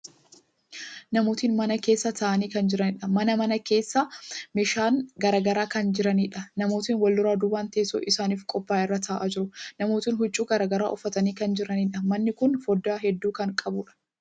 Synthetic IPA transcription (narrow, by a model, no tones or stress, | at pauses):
nɐmo̞ːt̪iːnmɐnɐke̞ːsːɐt̪ʰɐːʔɐniːkɐnd͡ʒɪɾɐnɪᶑɐmɐnɐmɐnɐke̞ːsːɐmɪʃaːnɡɐɾaːɡɐɾaːkɐnd͡ʒɪɾɐniːᶑɐnɐmo̞ːt̪iːnwɐlːʊɾaːd̪ʊbaːnt̪ɐeːsɔ̰ʔɪsaːniːfkʼɔpːaːʔɪrːɐt̪ʰaːʔaːd͡ʒɪɾʊnɐmo̞ːt̪iːnɦʊt͡ʃʼːuːɡɐɾaːɡɐɾa̰ːʔɔfːɐt̪ɐniːkɐnd͡ʒɪɾɐniːᶑɐmɐnːɪkʊnfɔd̪ːaːɦɛd̪ːuːkɐŋkʼɐbʊᶑɐ̥